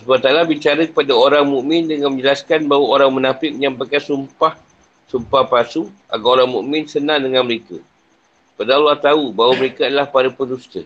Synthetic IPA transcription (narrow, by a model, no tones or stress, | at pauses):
səbat̪alabit͡ʃaɾəkə̥padaoɾaŋmũʔmɪndəŋanmə̃ɲd͡ʒəlaskanbaɦwaoɾaŋmənapɪk̚ɲãmpakasumpah | sumpahpasuʔa̰kawoɾaŋmũʔmɪ̃nsənãdəŋanməɾekə | padaalːaht̪aubaɦwaməɾekaadalahpaɾəpəndust̪ə